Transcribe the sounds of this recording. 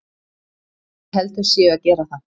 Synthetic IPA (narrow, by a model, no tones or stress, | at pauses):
hɛlt̪ʏ̥sjɛːacɛːɾaθan